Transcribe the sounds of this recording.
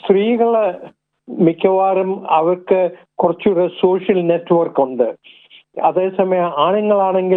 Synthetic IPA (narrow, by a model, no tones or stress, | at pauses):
st̪riːɣɐɭɐ | mikʲːɐʋaːɾumɐʋɐrkɨ | kurɐt͡ɕːuɽɐsoːʂjɐlnetːɨʋɐrkuɳɖɨ | ɐðe̞ːsɐmɐjɐmaːɳɐŋːɐɭaːɳe̞ŋɡi